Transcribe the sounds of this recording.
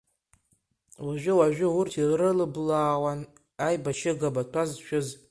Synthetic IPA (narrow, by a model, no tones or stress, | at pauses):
waʒʷᶣɪwaʒʷᶣɪwʊrtʰirrɨlɨblaːwan | ajbaʃɪɡabatʷʰazʃᶣʊz